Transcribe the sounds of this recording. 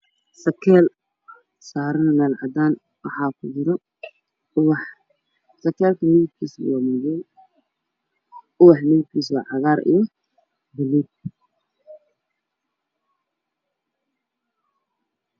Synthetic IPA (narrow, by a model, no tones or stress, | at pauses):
sɐkʰɛːl | saːɾɐnmɛːlʕɑ̰d̪aːn | wɑħɑːkʰʊd͡ʒɪɾɔ | wħ | sɐkʰɛːlkʰɐmɪɣɪb̚kʰiːswɑːmɔjɛn | ʊwɑħmɪɣɪb̚kʰiːs̬wɑːʕɑɣaːɾḭjɔ | bɪliːb̚